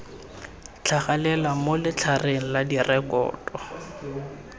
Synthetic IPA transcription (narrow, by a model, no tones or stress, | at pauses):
t͡ɬʰaχalɛlamolɪt͡ɬʰareŋ̩ladirʔɛkɔ̰ːtʼɔ